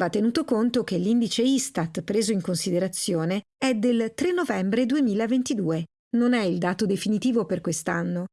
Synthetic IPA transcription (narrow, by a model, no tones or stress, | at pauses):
vat̪ːenuːt̪okont̪ok̟elːind̪it͡ʃeist̪at̪pɾeːzoiŋkonsid̪eɾat̪sːjoːneɛd̪elt̪ɾenːovɛmbɾed̪uemiːlavent̪id̪uːe | nonɛild̪aːt̪od̪efinit̪iːvoperkwest̪anːo